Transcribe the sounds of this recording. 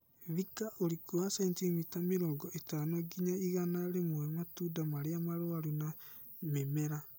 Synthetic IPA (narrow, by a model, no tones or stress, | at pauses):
βikaʔoɾikuasɛntimitameɾɔːɡɔʔetanoɡiɲaiɣanaɾemwɛmatuːdamaɾeamaɾoaɾuna | memɛɾa